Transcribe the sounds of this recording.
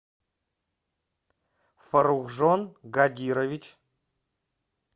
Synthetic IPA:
fəɾuɣʐonɡad̪ʲiɾovʲit͡ɕ

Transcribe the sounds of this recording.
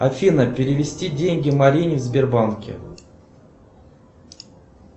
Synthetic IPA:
afʲinəpʲɪɾʲɪvʲɪsʲtʲidʲenʲɡʲɪmɐɾʲinʲɪvzʲbʲɪrbankʲɪ̰

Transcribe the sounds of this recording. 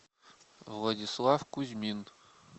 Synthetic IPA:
vlˠadʲislˠɑfkuzʲmʲin

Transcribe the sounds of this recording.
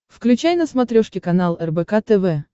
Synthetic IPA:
fklʲʉt͡ɕæjnəsmɐt̪ɾʲoʂkʲɪkɐnalˠɛrbɛkat̪ɛvɛ

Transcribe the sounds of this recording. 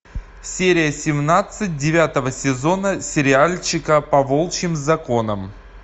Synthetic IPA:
sʲeɾʲɪjəsʲɪmnat̪sɨt̚ʲdʲɪvʲat̪əvəsʲɪzo̞nəsʲɪɾʲɪalʲt͡ɕɪkəpɐvolˠt͡ɕɪmzɐko̞nəm

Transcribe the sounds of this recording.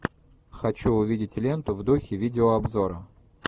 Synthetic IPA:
xɐt͡ɕuʊvʲidʲɪtʲlʲe̞nt̪ʊvd̪uxʲɪvʲidʲɪoɐbzoɾə

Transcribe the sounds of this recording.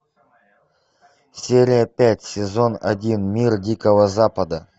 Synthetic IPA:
sʲeɾʲɪjəpʲætʲsʲɪzo̞nɐ̰dʲinmʲirdʲikəvəzapəd̪ə

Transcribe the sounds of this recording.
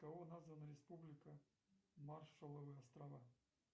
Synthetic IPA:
kɐvonazvɐnɐɾʲɪspublʲɪkə | marʂəlˠɐvɨɐst̪ɾɐva

